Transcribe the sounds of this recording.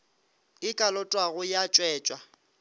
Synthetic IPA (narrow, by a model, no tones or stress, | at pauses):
ɪkʼalɔtʼwaɣʊjat͡ʃʼwɛːt͡ʃʼwa